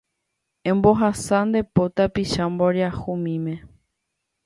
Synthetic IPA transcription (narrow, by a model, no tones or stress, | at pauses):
ẽmboɦasand̪e̞pot̪apiʃamboɾeahumĩmẽ